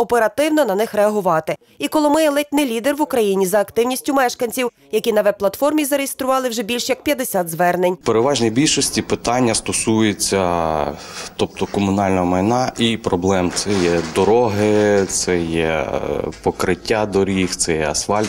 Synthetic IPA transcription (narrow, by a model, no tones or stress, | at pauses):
ɔpeɾɐt̪ɪwnɔnɐnɪxreɐɦʊʋɑt̪ɪ | ikɔlˠɔmɪjɛlˠɪt̪ʲnɪjlʲid̪erʋʊkɾɐjinʲizɐːkt̪ɪwnʲisʲtʲʊmɛʃkɐnʲt͡sʲiw | jɐkʲinɐʋɛp̚ːlˠɐt̪fɔrmʲizɐɾejest̪ɾʊʋɑlˠɪwʒɛbʲilʲʃjɐk̚pʲjɐd̪esʲad̪zʋɛrnenʲpeɾeʋɑʒnʲijbʲilʲʃɔsʲtʲipɪt̪ɑnʲːɐst̪ɔsujet͡sʲːɐ | t̪ɔpt̪ɔkɔmʊnɑlʲnɔɦɔmɐjnɑʔipɾɔblˠɛmt̪sɛjɛd̪ɔɾɔɦɪt̪sɛjɛ̰ | pɔkɾɪtʲːad̪ɔɾʲixt̪sɛjɛɐsfɑlʲt̪